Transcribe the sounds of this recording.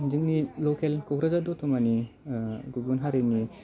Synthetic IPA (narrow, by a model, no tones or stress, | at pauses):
d͡ʒɯŋnilokelkɔkɾazadɔtʰɔmani | ɡuɡ̚bunɦaɾiŋni